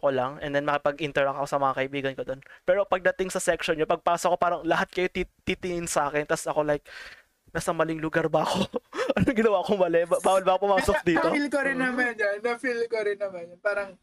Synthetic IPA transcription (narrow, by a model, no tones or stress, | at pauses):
ko̞lɐŋʔɛ̰nd̪ɛnmɐkɪpɐɡʔɪnt̪ɛɹɐkɐosɐmɐŋɐkɐʔɪbiːɡɐnkod̪o̞npɛːɾo̞pɐɡ̚d̪ɐt̪ɪŋsɐsɛkʃonɲopɐɡ̚paːsokopaːɾɐŋlɐɦat̪̚kɐjo̞t̪it̪it̪ɪŋɪnsaːkɛnt̪ɐsɐko̞lajk̚ | nɐsɐmɐlɪŋlʊɡaɾbɐɐko̞ʔɐnoŋɡɪnɐwaːkomɐlɛbbaːwɐlbɐːkopʊmaːsok̚d̪iːɐtoilkoɾɪnːɐmanjɐnːɐfilkoɾɪnːɐmanjɐnpaːɾɐŋ